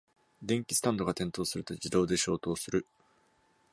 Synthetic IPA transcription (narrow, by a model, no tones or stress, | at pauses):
d̪ẽ̞ŋkʲi̥sɨ̥t̪ãnd̪o̞ɡat̪ẽ̞nt̪o̞ːsɨɾɯ̟t̪o̞d͡ʑid̪o̞ːd̪e̞ɕo̞ːt̪o̞ːsɨɾɯ̟